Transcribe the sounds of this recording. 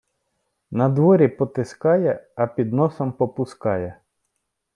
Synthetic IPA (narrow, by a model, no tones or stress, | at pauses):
nɐd̪ʋɔɾʲipɔt̪ɪskɑjɛɐpʲid̪nɔsɔmpɔpʊskɑjɛ